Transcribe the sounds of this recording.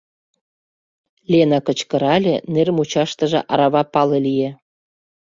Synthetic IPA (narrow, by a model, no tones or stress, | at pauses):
lʲenɑkə̆t͡ɕkə̆ɾɑlʲḛnermut͡ɕɑʃt̪əʒḛ̆ʔɑɾɑβɑpɑlelʲie